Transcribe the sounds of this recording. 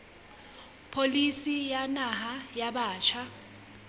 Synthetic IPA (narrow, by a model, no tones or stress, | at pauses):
pʰolisijanaɦajaɓaːt͡ʃʰa